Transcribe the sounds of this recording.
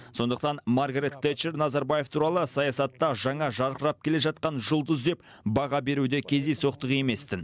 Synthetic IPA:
so̞nd̪əqt̪ɑnmaɾɡɾet̪ːet͡ʃːeɾnɑzɑɾbaje̞ft̪ʰuɾɑlˠəsɑjɑsɑt̪ːɑʒɑɴɑʒɑɾqəɾɑp̚kʲʰe̞le̞ʒɑt̪̚qɑnʒʊlˠd̪əzd̪e̞p | bɑʁɑbe̞ɾud̪e̞kʲʰe̞zd̪ejso̞qt̪əʁe̞me̞st̪ɪn

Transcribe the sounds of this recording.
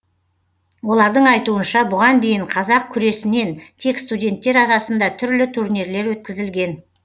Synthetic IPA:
wo̞lˠɑɾd̪əɴɑjt̪uənʃɑbʊʁɑnd̪e̞jɪɴqʰɑzɑq̚kʲʰʏɾe̞sɪne̞nt̪ʰe̞kst̪udʲe̞nt̪ːe̞ɾɑɾɑsənd̪ɑt̪ʰʏɾlɪt̪ʰuɾniɾle̞ɾwɵt̪̚kʲɪzɪlɡʲe̞n

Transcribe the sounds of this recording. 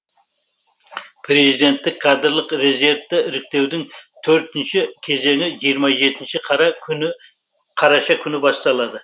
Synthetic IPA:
pʰɾe̞zid̪e̞nt̪ːɪkʲːʰɑd̪əɾlˠəqɾe̞ze̞ɾvt̪ɪɪɾɪk̚t̪e̞wd̪ɪŋt̪ʰɵɾt̪ɪnʃɪkʲʰe̞ze̞ŋɪʒijəɾmɑʒe̞t̪ɪnʃɪqʰ | qʰɑɾɑʃɑkʲʰʏnɪbɑst̪ɑlˠɑd̪ə

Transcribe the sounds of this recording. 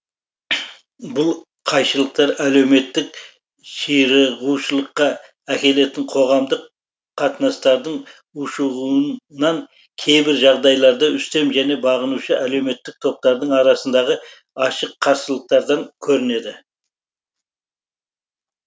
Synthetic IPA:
bʊlˠ | qʰɑjʃəlˠəq̚t̪ɑɾæle̞wme̞t̪ːɪk̚ | ʃiɾəʁuʃəlˠəqːɑ | ækʲe̞le̞t̪ɪɴqʰo̞ʁɑmd̪əq | qʰːɑt̪ənɑst̪ɑɾd̪əɴ | ʊʃəʁunɑŋ | kʲʰe̞jbɪɾʒɑʁd̪ɑjlˠɑɾd̪ɑʏst̪e̞mʒæne̞bɑʁənuʃəæle̞wme̞t̪ːɪk̚t̪ʰo̞p̚t̪ɑɾd̪əɴɑɾɑsənd̪ɑʁə | ɑʃəqʰːɑɾsəlˠəq̚t̪ɑɾd̪ɑŋkʲʰɵɾɪne̞d̪ɪ

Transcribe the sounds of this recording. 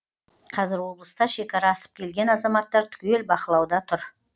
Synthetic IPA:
qʰɑzɪɾwo̞blˠəst̪ɑʃe̞kʲɑɾɑːsə̥p̚kʲʰe̞lɡʲe̞nɑzɑmɑt̪ːɑɾt̪ʰʏ̥kʲe̞lbɑqəlˠɑwd̪ɑt̪ʰʊɾ

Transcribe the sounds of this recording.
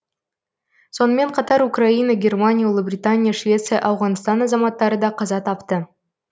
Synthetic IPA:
so̞nəme̞ɴqʰɑt̪ɑɾukrainaɡʲe̞rmanʲijaolˠəbrʲit̪anʲijaʃvʲe̞t̪sɨjaʔɑwʁɑnst̪ɑnɑzɑmɑt̪ːɑɾəd̪ɑqʰɑzɑt̪ʰɑpt̪ə

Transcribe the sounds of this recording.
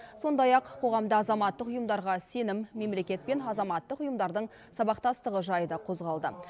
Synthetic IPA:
so̞nd̪ɑjɑqʰo̞ʁɑmd̪əɑzɑmɑt̪ːəqʊjəmd̪ɑɾʁɑse̞nɪmːe̞mle̞kʲe̞t̪̚pe̞nɑzɑmɑt̪ːəqʊjəmd̪ɑɾd̪əɴ | sɑbɑqt̪ɑst̪əʁəʒɑjd̪ɑqʰo̞zʁɑlˠd̪ə

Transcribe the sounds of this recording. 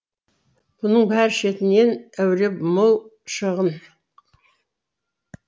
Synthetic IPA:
b̥ʊnəɴbæɾʃe̞t̪ɪne̞næwɾepmolˠ | ʃəʁən

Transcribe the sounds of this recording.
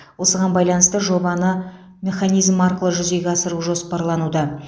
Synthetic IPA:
wo̞səʁɑnbɑjlˠɑnəst̪əʒo̞bɑnə | mʲe̞χɑnijzmɑɾqəlˠəʒʏze̞ɡʲeɑsəɾuʒo̞spɑɾlˠɑnud̪ə

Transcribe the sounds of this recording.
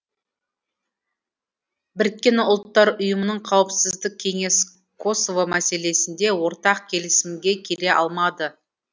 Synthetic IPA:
bɪɾk̪̚kʲe̞nʊlˠt̪ːɑɾʊjəmənəɴqʰɑwəpsɪzd̪ɪk̚ʲkʲʰe̞ŋe̞s | kʰo̞sovomæse̞le̞sɪnd̪e̞wo̞ɾt̪ɑq̚kʲʰe̞lɪsɪmɡʲe̞kʲʰe̞ɾe̞ʔɑ̰lˠmɑd̪ə

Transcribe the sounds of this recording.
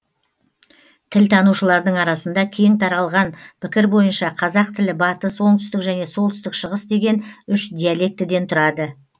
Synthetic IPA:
t̪ʰɪlt̪ʰɑnuʃəlˠɑɾd̪əɴɑɾɑsənd̪ɑkʲʰejɪŋt̪ʰɑɾɑlˠʁɑnpʰɪkʲɪɾbo̞jənʃɑqʰɑzɑq̚t̪ʰɪlɪbɑt̪əswo̞ɴt̪ʏst̪ɪkʒæne̞so̞lˠt̪ʰʏst̪ɪkʃəʁəsd̪e̞ɡʲe̞nʏʃd̪ijalˠe̞k̚t̪ɪd̪e̞nt̪ʰʊɾɑd̪ə

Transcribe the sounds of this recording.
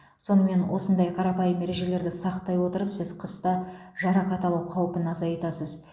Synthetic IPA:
so̞nəme̞nwo̞sənd̪ɑjqʰɑɾɑpɑjəmːe̞ɾe̞ʒe̞le̞ɾd̪ɪsɑqt̪ɑjwo̞t̪əɾəpsɪz̥qʰəst̪ɑ | ʒɑɾɑqɑt̪ɑlˠɑwqʰɑwəpənɑzɑjt̪ɑsəz

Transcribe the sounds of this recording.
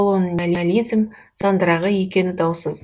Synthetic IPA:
olˠonalʲialʲijzm | sɑnd̪əɾɑʁəje̞kʲe̞nɪd̪ɑwsəz

